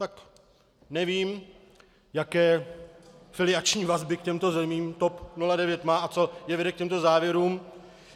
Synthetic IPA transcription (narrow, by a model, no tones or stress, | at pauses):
t̪ak | nɛviːm | jakɛː | fɪlɪat͡ʃɲiːvazbɪkcɛmt̪o̞zɛmiːmt̪o̞pnuladɛvjɛt̪maːʔat͡so̞jɛvɛdɛk̚cɛmt̪ozaːvjɛɾuːm